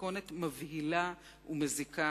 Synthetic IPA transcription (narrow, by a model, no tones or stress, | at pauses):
o̞netmavhila | umezika